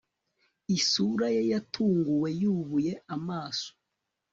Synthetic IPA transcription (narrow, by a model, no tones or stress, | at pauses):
isuɾajejatʰuːŋɡuwe̞juβuje̞amaːso̥